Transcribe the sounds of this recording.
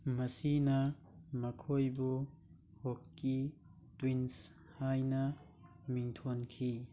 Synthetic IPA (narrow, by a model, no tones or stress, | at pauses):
mɐsinɐmɐkʰojbu | hokːi | twins | hajnɐ | miŋtʰonkʰi